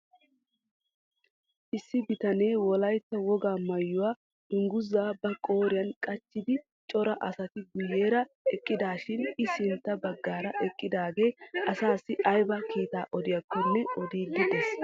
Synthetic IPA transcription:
ʔɪsːɪbɪt̪ɐne̞ːwɔlɐjt̪ːɐwɔɡaːmɐjːʊwaː | ɪŋɡʊzːaːbɐkʼo̞ːɾɪjɐnkʼɐt͡ʃːɪd̪ɪ | t͡ʃʼɔɾɐʔɐsɐt̪ɪɡʊjːe̞ːɾɐ | ɛkʼːɪd̪aːʃɪnɪsɪnt̪ːɐbɐɡːaːɾɐʔɛkʼːɪd̪aːɡe̞ːʔɐsaːsːɪʔɐjbɐkiːt̪aːʔɔd̪ɪjɐkːɔnːɛɔd̪iːd̪ɪd̪ɛs

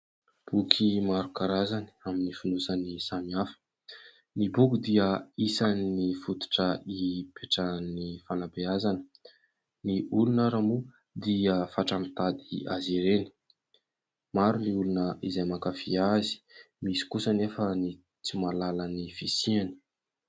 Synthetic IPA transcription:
b̥ukʰimaɾukaɾazani̥aminifunusanisamiafə̥ | nibukud̪iəisanːifut̪u̥ʈ͡ʂəipeʈ͡ʂanifanabeazanə̥ | niulunəɾamu | d̪iəfaʈ͡ʂamit̪ad̪iaziɾeni̥ | maɾuniulunəizajmakafiazi̥ | misi̥kusənefəni | t͡simalalanifisiani̥

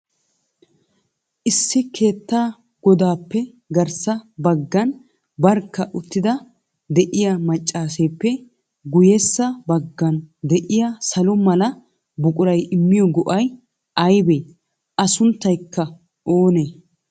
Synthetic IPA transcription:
ʔɪsːɪkʰe̞ːt̪ːaː | ɡ̥ɔd̪aːpːɛ | ɡɐɾsɐbɐɡːɐn | bɐɾkːɐʔʊt̪ːɪd̪ɐ | d̪ɛʔɪjamɐt͡ʃʼːaːse̞ːpːɛ | ɡʊjɛsːɐbɐɡːɐnd̪ɛʔɪjasɐlɔmɐlɐ | bʊkʼʊɾɐjɪmːɪjɔɡɔʔɐj | ʔɐjbeː | ʔɐsʊnt̪ːɐjkːɐ | ʔoːneː

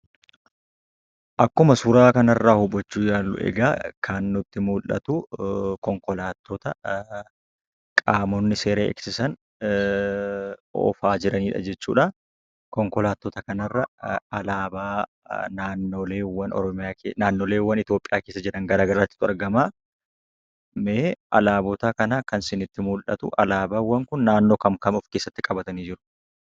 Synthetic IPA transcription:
ʔɐkːʊmɐsʊɾaːkɐnɐrːaːhʊbɔt͡ʃːuːjaːlːʊ̰ʔɛ̰ɡaːkʰɐnːʊt̪ːɪmuːlːɐ̰t̪ʊkɔŋkɔlaːt̪ːot̪ɐ | kʼaːmɔnːɪse̞ːɾeːɛ̰ksɪsɐn | ɔ̰faːd͡ʒɪɾɐniːᶑɐ̰d͡ʒɛt͡ʃːṵːᶑɐ | kɔŋkɔlaːt̪ːot̪ɐkɐnɐrːɐɐlaːbaː | naːnːoːleːwːɐnɔ̰ɾɔmɪjaːkenaːnːoːleːwːɐnɪt̪jo̞ːpʼːɪjaːke̞ːsːɐd͡ʒɪɾɐŋɡɐɾaːɡɐɾaːt̪ːɪ̥d̪ʊɐ̰ɾɡɐmaː | meːʔɐ̰laːbɔt̪aːkɐnakɐnsɪnɪt̪ːɪmʊlʔɐ̰t̪ʊ̰ʔɐ̰laːbaːwːɐŋkʊnːaːnːo̞ːkɐmkɐmɔfke̞ːsːɐt̪ːɪkʼɐbɐt̪ɐniːd͡ʒɪɾʊ̥

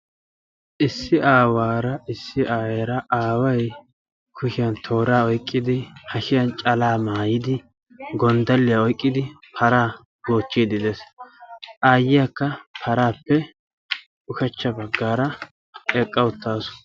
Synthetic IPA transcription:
ʔɪsːɪʔaːwaːɾɐʔɪsːɪʔaːweɾɐʔaːwɐj | kʰʊʃɪjɐnt̪ʰo̞ːɾaːɔjkʼːɪd̪ɪhɐʃɪjɐnt͡ʃʼɐlaːmaːjɪd̪ɪ | ɡɔnd̪ɐlːɪjaɔjkʼːɪd̪ɪ | pʰɐɾaː | ɡoːt͡ʃːiːd̪ɪd̪es | ʔaːjːɪjakːɐpʰɐɾaːpːɛ | ʊkɛt͡ʃːɐbɐɡːaːɾɐ | ɛkʼːɐwʊt̪ːaːsʊ̥

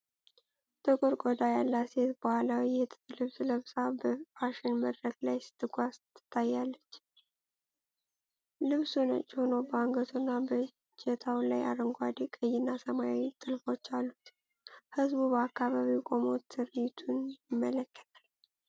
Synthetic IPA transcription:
t̪ʼɨkʼuɾkʼod̪ajalːaset̪bəhalawijɛt̪ʰɨ̥ɨlɨβsləβsabəfaʃɪnməd̪ɾəɡlajsɨ̥t̪ʰːɨɡʷast̪ʰːɨ̥t̪ʰːajːalːət͡ʃː | lɨβsunə̰t͡ʃʼːɪhonəwbəaŋɡət̪ʰunːabə | t͡ʃɛt̪ʰawlaja̰ɾəŋɡʷad̪ekʼəjːɪnːasəmajawit̪ʼɨlfo̞t͡ʃːalːut̪ | hɨzbubəakːaβaβiwkʼo̞mo̞t̪ʰːɨɾit̪ʰunjɪmːələkːə̥t̪ʼal

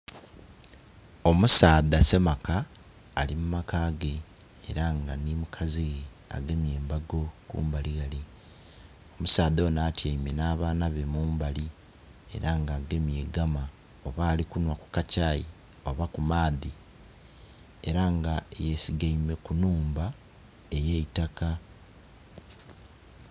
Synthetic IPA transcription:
o̞musaːðase̞makaː | limumakaːɡe̞ː | ɾaŋɡanimukʰaziɣe | a̰ɡe̞mjeːmbaɡo̞kṵːmbaliɣali | o̞musaːðoːnaːtjaimenaːβaːnaβe̞muːmbali | e̞̰ɾaŋɡaːɡe̞mjeːɡama | o̞βaːlikunwaku̥kacaːji | o̞βakumaːði | e̞ɾaŋɡajesiɡaime̞kunuːmba | e̞jeitaka

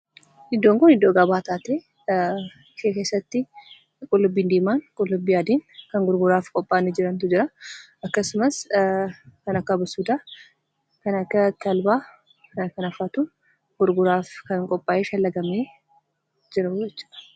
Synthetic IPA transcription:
ɪd̪ːoːŋkʊnɪd̪ːoːɡɐbaːt̪aːt̪eː | ʃeːkeːsːɐt̪ːɪ | kʼʊlːʊbːiːnd̪iːmaːŋkʼʊlːʊbːiːjaːd̪iːnkɐŋɡʊɾɡʊɾaːfkʼɔpʼːaːnɪd͡ʒɪɾɐnt̪ʊd͡ʒɪɾɐ | ɐkːɐsʊmɐs | kɐnɐkːɐbɐsuːd̪aː | kɐnɐkːɐt̪ːɐlbaː | kɐnɐkɐnɐfaːt̪ʊ | ɡ̥ʊɾɡʊɾaːfkɐŋkʼɔpʼːaːʔeːʃɐlːɐɡɐmeː | d͡ʒɪɾɐʊd͡ʒɛt͡ʃːɐ̥ɐ̥

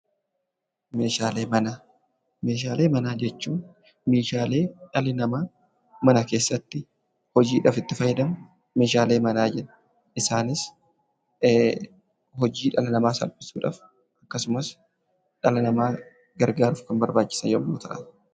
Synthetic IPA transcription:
me̞ːʃaːleːmɐnaː | me̞ːʃ̬aːle̞ːmɐnaːd͡ʒɛt͡ʃːuːn | me̞ːʃaːle̞ːᶑɐlɪnɐmaː | mɐnɐke̞ːsːɐt̪ːɪ | hɔd͡ʒiːᶑaːfɪt̪ːɪfɐjɪd̪ɐm | me̞ːʃaːle̞ːmɐnaːd͡ʒɛᶑɐ | ɪsaːnɪs | hɔd͡ʒiːᶑɐlɪnɐmaːsɐ̰lpɪ̥suːᶑa̰ːf | ʔɐkːɐsʊmɐs | ᶑɐlɐnɐmaː | ɡɐɾɡaːɾʊfkɐmbɐɾbaːt͡ʃːɪ̥sɐnjomoːt̪ɐʔa̰ː

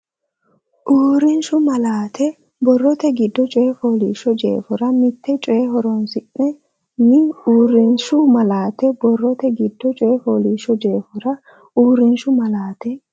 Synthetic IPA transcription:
ʔuːɾɪnʃʊmɐlaːt̪ʰɛ | bɔrːɔt̪ɛɡɪd̪ːɔt͡ʃʼeːfoːlḭːʃɔd͡ʒḛːfɔɾɐmɪt̪ːɛt͡ʃʼeːɦɔɾɔnsɪʔːɛ | nɪuːɾɪnʃʊmɐlaːt̪ɛbɔrːɔt̪ɛɡɪd̪ːɔt͡ʃʼeːfoːliːʃɔd͡ʒe̞ːfɔɾɐ | uːɾɪnʃʊmɐlaːt̪ɛ

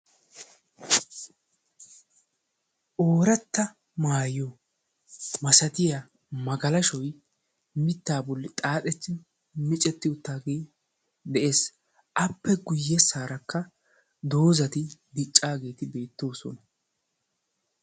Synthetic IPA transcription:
ʔoːɾɐt̪ːɐ | maːjo | mɐsɐt̪ɪja | mɐɡɐlɐʃɔj | mɪt̪ːaːbɔlːɪt̪ʼaːt̪ʼɛt͡ʃːɪ | mɪt͡ʃʼɛt̪ːɪʊt̪ːaːɡeː | d̪ɛʔe̞ːs | ʔɐpːɛɡʊjːɛsaːɾɐkːɐ | d̪o̞ːzɐt̪ɪd̪ɪt͡ʃʼːaːɡe̞ːt̪ɪbe̞ːt̪ːo̞ːsɔ̰nɐ

